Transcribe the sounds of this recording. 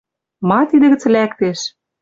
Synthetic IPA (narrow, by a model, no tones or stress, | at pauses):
mɑt̪id̪ɘ̆ɣɘ̆t͡slækt̪eʃ